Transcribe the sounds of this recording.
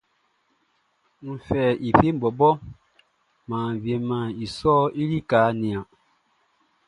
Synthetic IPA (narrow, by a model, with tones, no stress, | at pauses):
n̩˨fɛ˨ʔi˨fe˦m̩˨bɔ˨bɔ˦ | mãː˨vje˨mã˨i˨sɔː˦i˦li˦kaː˨˦nĩ˨ã˨